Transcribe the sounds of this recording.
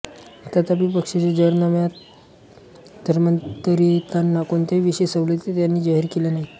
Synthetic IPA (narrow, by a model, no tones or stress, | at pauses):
ət̪at̪apipəkʂet͡sed͡ʑəɾnamja | d̪ʱəɾmənt̪əɾit̪anːakont̪aʋiɕesəʋlet̪et̪janːiːd͡ʑaɦiɾkelenaɦi